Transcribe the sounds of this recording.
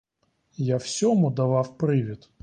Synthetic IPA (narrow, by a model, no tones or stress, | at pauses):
jafsʲɔmud̪ɐvafpɾɨvʲɪt̪